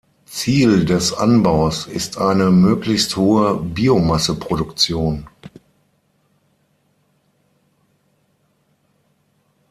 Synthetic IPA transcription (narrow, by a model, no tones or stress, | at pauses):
t͡siːldɛsʔa̰nbaʊsɪstʔaɪnəmøːklɪçsthoːəbiːomasəpʁ̥oɾʊkt͡sjoːn